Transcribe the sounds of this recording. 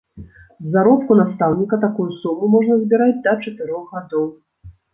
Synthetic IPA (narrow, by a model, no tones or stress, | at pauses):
zzːaɾɔp̚kunast̪awnʲikɐt̪akujusumumɔʐnɐzbʲiɾad͡zʲd̪ɐt͡ʂat̪ɨɾɔɣɣad̪ɔw